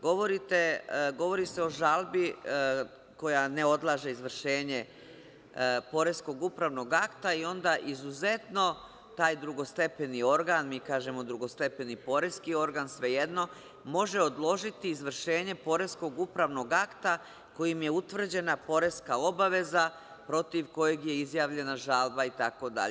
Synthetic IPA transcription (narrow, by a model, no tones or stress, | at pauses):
ɡo̞ʋo̞ɾit̪eɡo̞ʋo̞ɾise̞o̞ʒalˠbi | ko̞jane̞o̞d̪lˠaːʒe̞izʋr̩ʃe̞ːɲe̞ | po̞ɾe̞sko̞ɡupɾaʋno̞ɡakt̪aio̞nd̪aʔizuze̞t̪no̞ | t̪aːjd̪ɾuɡo̞st̪e̞penio̞ɾɡaːnmiːkaːʒe̞mo̞d̪ɾuɡo̞st̪e̞pe̞nipo̞ɾeskio̞ɾɡaːnsʋe̞jed̪no̞ | mo̞ʒe̞o̞d̪lˠo̞ʒit̪iːzʋr̩ʃe̞ːɲe̞po̞ɾe̞sko̞ɡupɾaʋno̞ɡakt̪a | ko̞jimje̞ut̪ʋr̩d͡ʑe̞napo̞ɾe̞skao̞baʋe̞za | pɾo̞t̪iʋko̞jeɡje̞izjaːʋʎe̞naʒaːlˠbait̪ako̞d̪a̰ʎee